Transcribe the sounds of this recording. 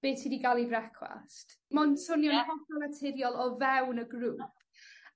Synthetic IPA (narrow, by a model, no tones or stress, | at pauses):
b̥eːtʰidiɡalˠibrɛkʰwa̰stmɔnsʊnjɔnəhɔsɔlatʰɪɾjɔlˠɔvɛwnəɡruːp̚ʰ